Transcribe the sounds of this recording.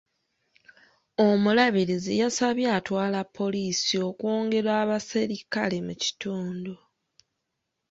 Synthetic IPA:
o̞mulaβiɾizijasaβjaːtwaːlapʰːo̞liːsio̞kwoːŋɡe̞ɾwaːβasiɾikalemuci̥tuːndu

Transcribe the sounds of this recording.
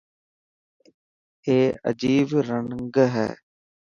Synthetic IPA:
eːə̰d͡ʒiːbɾəŋŋɡɦɛ̰ː

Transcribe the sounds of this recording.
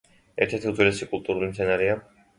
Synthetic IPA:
ɛɾt̪ʰɛɾt̪ʰiut̪zwilɛsikʼulˠt̪ʼuɾulimt̪sʰɛnaɾɛa

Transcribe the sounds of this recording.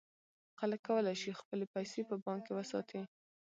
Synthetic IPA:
xaləkːawəlajʃixpəlepajsepəbɑŋkewəsɑ̰t̪ʰi

